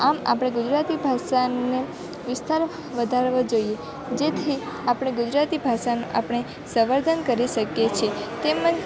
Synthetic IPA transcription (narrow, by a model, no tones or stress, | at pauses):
ama̰pəɽ̃eɡud͡ʒɾat̪ibʱaʃane | ʋɪst̪aɾ | ʋəd̪ʱaɾʋãd͡ʒoie | d͡ʒet̪ʰiapəɽɳ̃eɡud͡ʒɾat̪ibʱaʃanuʔa̰pəɳ̃e | səʋəɾd̪ʱənkəɾiʃəkjet͡ʃʰet̪emə̃d͡ʒ